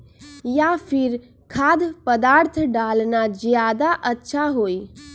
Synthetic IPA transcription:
japʰɪɾ | kʰaːd̪pəd̪aːɾt̪ʰɖaːlnad͡ʒjaːd̪aʔətːʃʰaɦoːi

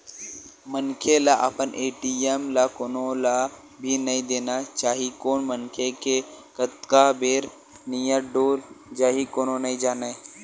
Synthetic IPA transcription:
mənkʰelaʔa̰pəneʈiemlakonola | bʱinəĩd̪enat͡ʃaɦikoːɳmənkʰekekət̪kabeɾ | nijəɖoːld͡ʒaːɦikononəĩd͡ʒanae

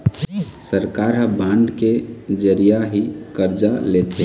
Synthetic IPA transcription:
səɾkaːɾɦbãːɳɖked͡ʒəɾijaɦikəɾd͡ʒalet̪eɦ

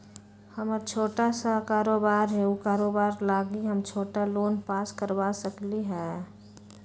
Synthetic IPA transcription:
hɐmt͡ʃʰoːʈasakaːɾoːbaːɾɦɛukaːɾoːbaːɾlaːɡiɦɐmt͡ʃʰoːʈaloːnpaːskəɾwaːsəkliɦɛː

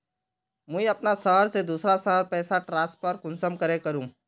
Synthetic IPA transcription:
mʊ̃iɐpnasəːɦɾsed̪uːsɾasəːɾpɛːsaʈɾãːspəɾkʊ̃nsəmkɐɾẽkɐɾũː

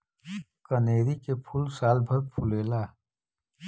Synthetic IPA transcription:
kəneːɾikepʰʊlsaːlbʱəɾpʰʊleːlaː

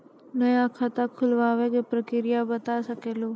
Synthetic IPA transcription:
nəjakʰat̪akʰʊlʋaːʋekepɾəkɪɾijabət̪asəkeːloː

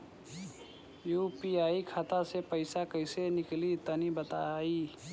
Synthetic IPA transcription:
jupiaːikʰat̪asepəɪsakəɪsenɪklit̪ənibət̪ai

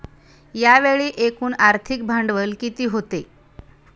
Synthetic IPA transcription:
jaʋeɭiːʔekuːnaɾt̪ʰik̚bʱaɳɖʋəlkit̪iːɦot̪e

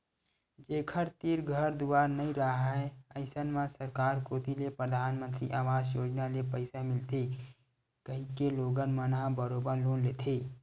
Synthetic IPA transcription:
d͡ʒeːkʰəɾt̪iːɾɡʱəɾd̪uaːɾnɐĩɾəɦaɦɛəɪsənmãsəɾkaːɾkoːt̪ilepɾəd̪ʱaːnmə̃nt̪ɾḭʔaːʋaːd͡ʒjoːd͡ʒnalepəɪsamɪlt̪e | kəɦĩkeloːɡənmənabəɾoːbəɾloːnleːt̪ʰeː

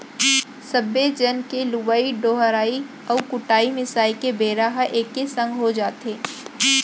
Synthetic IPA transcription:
səbːed͡ʒənkelubaːiɖoːɦəɾaːi | ɔːkʊʈaːimɪsaːikebeːɾaɦʔeːkːesə̃ŋɡɦod͡ʒaːt̪eː

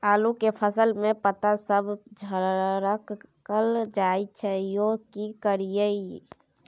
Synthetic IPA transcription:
alukepʰəsəlmepət̪asəbd͡ʒʱəɾəkkəld͡ʒajt͡ʃʰɛjokikəɾijəi

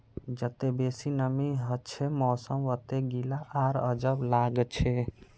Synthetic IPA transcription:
d͡ʒət̪ebesinəmiɦət͡ʃʰemɔːsəmʋət̪eɡilaʔaɾə̰d͡ʒəblaɡt͡ʃʰe

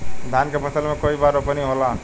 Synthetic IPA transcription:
d̪ʱankepət̪əlmekoibaɾopəniɦolã

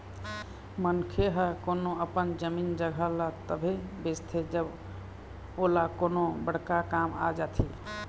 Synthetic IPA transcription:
mənkʰeɦəkonoəpənd͡ʒəmind͡ʒəɡʱələt̪əbʱebest̪ʰed͡ʒəb | olakonobəɽ̤kakama̰d͡ʒat̪ʰi

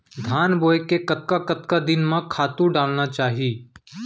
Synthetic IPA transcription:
d̪ʱaːnboːjekekɐt̪̚kakɐt̪kad̪ɪnmãkʰaːt̪ũɖaːlnat͡ʃaːɦiiː

